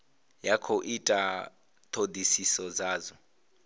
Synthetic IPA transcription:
jakʰoʔitʼa | t̪ʰod̪isisɔd͡zaːzɔ

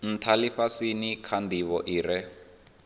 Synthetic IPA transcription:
n̩tʰaliɸasinikʰand̪iβɔʔiːɾɛ

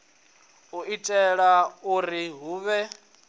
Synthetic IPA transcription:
uʔitʼɛɺauɾiɦuːβɛ

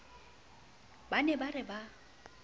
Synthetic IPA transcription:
banɛbarɪba

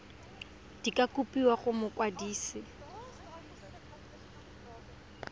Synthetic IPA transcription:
d̥ikʼakʼupʼiwaχʊmʊkʼwadiːsɪ

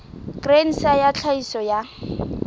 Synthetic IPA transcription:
kʼren̩sajat͡ɬʰaisɔja

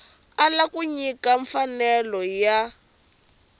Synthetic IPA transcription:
alakuɲikaɱfanɛlɔja

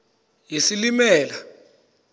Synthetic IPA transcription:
jisilimɛːla

